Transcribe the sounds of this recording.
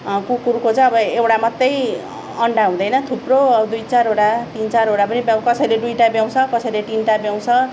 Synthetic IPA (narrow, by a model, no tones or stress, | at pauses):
kukuɾukot͡sʌ̃ʌbʌewʈamʌt̪ːʌj | ʌɳɖaɦũd̪ʌjnʌt̪ʰuprod̪ujt͡saɾɦoɽat̪int͡saɾɦoɽapʌnibjakʌsʌjled̪ujʈabjaw̃t͡sʰʌkʌsʌjleʈinʈabjaw̃t͡sʰʌ